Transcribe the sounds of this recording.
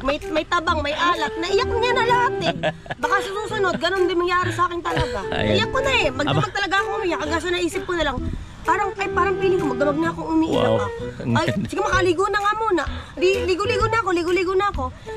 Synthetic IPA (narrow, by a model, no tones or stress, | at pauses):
mɐjmɐjt̪ɐbaŋmɐjʔaːlɐt̪̚nɐʔɪjakɲanɐlɐhat̪ɛbɐkasɐsuːsʊno̞d̪̚ɡɐno̞nd̪ɪnmɐŋjaːɾɪsɐʔaːkɪnt̪ɐlɐɡa̰ʔɪjakːonɐɛmɐɡd̪maɡ̚t̪ɐlɐɡaɐkoŋʔʊmijakɐɡas̬ɐnɐʔiːsɪp̚konɐlaŋ | paːɾɐŋkɐpaːɾɐŋpiːlɪkomɐɡ̚d̪ɐmaɡ̚ɲaɐkoŋʔʊmiʔɪ̰ja̰ɐɐsɪɡɐmɐkɐlɪɡunɐŋɐmonɐliliɡʊliɡonɐɐko̞lɪɡoliɡonɐːko̞